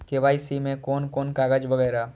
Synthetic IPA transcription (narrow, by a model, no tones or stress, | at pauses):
keʋaːisimẽkɔːnkɔːnkaːɡəd͡ʒbɐɡɛːɾaː